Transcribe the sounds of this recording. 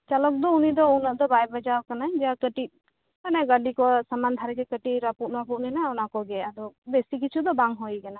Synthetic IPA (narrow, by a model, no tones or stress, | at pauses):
t͡ʃalɔk̚d̪ɔunid̪ɔunaʔd̪ɔbajbad͡ʒaɾkanad͡ʒakəʈit̪̚ | kanaɡaɖikɔsamand̪ʱaɾɛd͡ʒɛkəʈiɾapuʔnaputnɛnaɔnakɔɡɛad̪ɔbesik̬it͡ʃʰud̪ɔbaŋɦɔjkana